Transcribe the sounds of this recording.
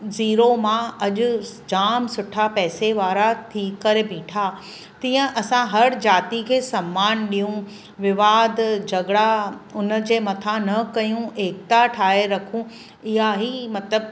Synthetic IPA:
ziːɾomãɐʄʊ̆d͡ʑaːmsʊʈʰapɛːseʋaːɾat̪ʰiːkɐɾebʱĩːʈʰa | t̪ĩːə̃ʔɐsãɦɐɽd͡ʑaːt̪ikʰeːsɐmːaːnɗijũ | ʋɪʋaːd̪ʱd͡ʑɐɡɽaʊnə̆d͡ʑeːmɐt̪ʰanɐkɐjũeːk̚t̪aʈʰaːɦeɾɐkʰũ | ɪɦaɦimɐt̪ləb̚

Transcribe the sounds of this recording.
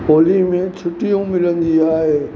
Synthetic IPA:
oːlimẽt͡ɕʰʊʈijũmɪlə̃nd̪iaːɦeː

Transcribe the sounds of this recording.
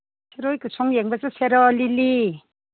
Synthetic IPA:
sʰeɾɔjkɯsʰɔŋjeŋbazasʰeɾɔlili

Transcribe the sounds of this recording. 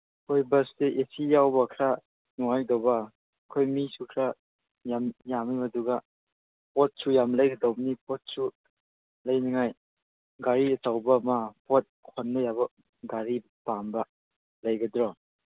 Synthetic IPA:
kʰojbɐsdeʔesijawbɐkʰɾa | nuŋajdawbɐ | kʰojmisukʰɾa | jamjamimɐduɡa | pɔt̚sujamləjɡɐdawbnipʰɔt̚su | lɐjniŋaj | ɡaɾiɐtawbɐmapʰot̚kʰɔnbɐjabɐ | ɡaɾibpambɐ | lɐjɡɐdɾɔ

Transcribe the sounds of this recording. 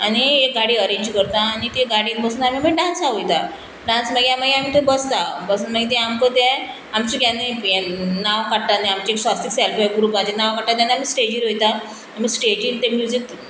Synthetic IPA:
añiek̚ɡaɽiːəɾẽɲd͡ʑkəɾt̪aːnit̪eɡaɽiːnbəsnaamiməɡɖãnsaʋojt̪a | ɖãnsməɡjaməɡeamiːt̪əbəst̪abəsənməɡet̪ɛ̃amkət̪e | amt͡ɕikjanːe | naʋkaʈ̪aneamt͡ɕieksastiksɛlfeɡɾuːpat͡ɕenaʋkaʈʈ̪at̪ːjanːeamiːsʈed͡ʑiɾɦojt̪a | am̤iːsʈed͡ʑiɾt̪ẽmjud͡zik

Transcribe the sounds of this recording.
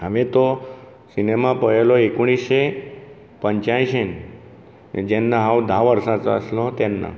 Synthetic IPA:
ɦəʋet̪o | sinemapəɽeloekoɳ̃ise | pəɲt͡ʃãĩʃen | d͡ʒenːãɦawd̪ʱaʋəɾsãt͡sə̰slot̪enːã̰

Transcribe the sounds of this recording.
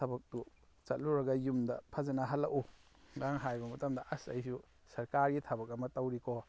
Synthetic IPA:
ɐbɐk̚tu | t͡ʃɐt̚luɾɐɡɐjumdɐpʰazɐnaɦalːɐʔu | ɡaŋɦajbɐmɐtɐmdɐʔɐsa̰jsu | sɐɾkaɾɡitʰɐbɐk̬̚ɐmɐtɐwɾikʰɔ

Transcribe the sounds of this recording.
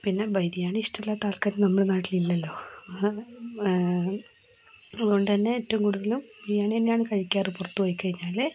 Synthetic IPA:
pinːe̞bɐjd̪ijaːɳɨiʂʈɐmlːɐt̪aːɭkɐnnɐmːɐɭenaːʈːililːɐlːo̞ː | ɐðuɣo̞ɳɖɨt̪ɐnːe̞ːtːɐumkuːɽuðɐlum | jaːɳenːejaːɳɨkɐɻikʲːaːrɨpurɐt̪ːuʋɐjkʲːikɐɻiɲːaːl

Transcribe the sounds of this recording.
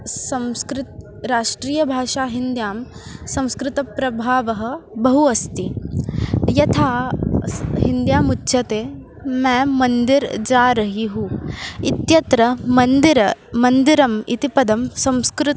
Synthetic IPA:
sɐ̃mskɾɪt̪̚ | ɾaːʂʈɾiːjɐbʱaːʃaːɦind̪jaːmsɐ̃w̃skɾɪt̪ɐpɾɐbʱaːʋɐɦɐ̆bɐɦuɐst̪i | jɐt̪ʰaː | ɦind̪jaːmutːʃɐt̪eː | mɛːmɐnd̪iɾd͡ʒaːɾɐɦiɦuit̪jɐt̪ɾɐmɐnd̪iɾɐmɐnd̪iɾɐmḭt̪ipɐd̪ɐmsɐ̃mskɾɪt̪

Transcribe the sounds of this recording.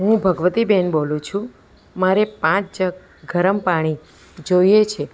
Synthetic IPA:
ɦũbʱəɡʋət̪ibɛnbolũt͡ʃʰũ | maɾepãt͡ʃd͡ʒə | ɡʱəɾəmpaɽ̃i | d͡ʒojet͡ʃʰe

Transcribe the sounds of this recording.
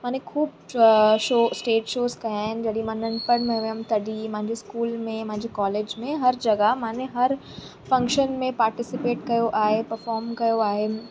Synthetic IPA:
mãːnekʰuːb | ʃoːsʈeːʈʃoːzkɐjaːɦɪnd͡ʑɐɽimɐ̃nənɪ̆pɐɾmɛ̃ʋeəmt̪ɐɖimɐ̃ɦɪ̃ɲd͡ʑeskuːlmẽɐm̤ɦɪ̃ɲd͡ʑekɔːleːd͡ʑmẽɦɐɾd͡ʑɐɡaɦmãːnẽɦɐɾ | fɐ̃ŋkʃənmẽpaːɾʈɪsɪpeːʈkɐjoʔaːɦepɐɾfɔːɾmkɐjoaːɦeː

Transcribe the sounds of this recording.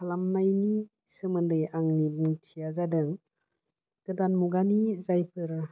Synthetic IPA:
kʰalamnajni | sɯmɯndɯjaŋnibuŋtʰijazadɯŋ | ɡ̥ɯdanmuɡanizajpʰɯɾa

